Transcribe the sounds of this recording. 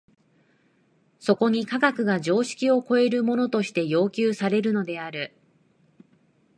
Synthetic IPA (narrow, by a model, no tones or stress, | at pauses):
so̞ko̞ɲ̟ikaɡakɯ̟ɡaʑo̞ːɕi̥kʲio̞ko̞e̞ɾɯ̟mo̞no̞t̪o̞ɕi̥t̪e̞jo̞ːkʲɨːsaɾe̞ɾɯ̟no̞d̪e̞aɾɯ̟